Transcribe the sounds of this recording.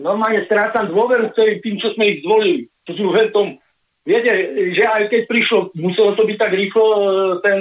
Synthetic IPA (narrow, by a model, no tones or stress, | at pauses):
nɔɾmaːlɲɛst̪ɾaːt͡samd̪ʊɔʋɛɾukt̪ɛlit̪iːmt͡ʃɔzmɛiɣzd̪ʋɔlilit͡ʃɔsuvɛnft̪ɔm | ʋɪɛcɛʒɛajkɛc̚pɾiʃlɔmusɛlɔt̪ɔbic̚t̪aɡɾiːxlɔt̪ɛn